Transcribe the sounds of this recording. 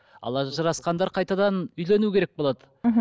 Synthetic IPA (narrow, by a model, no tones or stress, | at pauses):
ɑ̰lˠɑʒɑɾɑsqɑnd̪ɑɾqʰɑjt̪ɑd̪ɑnʏjlenukʲʰe̞ɾek̚bolˠɑd̪ə